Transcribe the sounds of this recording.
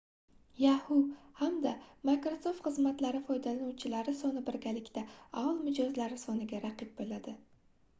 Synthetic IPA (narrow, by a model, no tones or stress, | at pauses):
jahʊhamd̪amakɾoso̞ft̪χɨzmat̪laɾɪfɒjd̪alanuwt͡ʃʰɪlaɾɪsɒnɪbɪɾɡʲalɪkʲt̪aaɒlˠmɪd͡ʒɒzlaɾɪsɒnɪɡʲaɾaqɨp̚bolad̪ɪ